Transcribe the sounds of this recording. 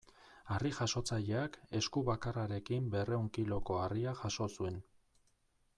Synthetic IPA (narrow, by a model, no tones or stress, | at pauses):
ariʝaʃo̞t͡saʎe̞ake̞skuβakaraɾe̞kimbe̞re̞uŋkilo̞ko̞ariaʝaʃo̞sue̞n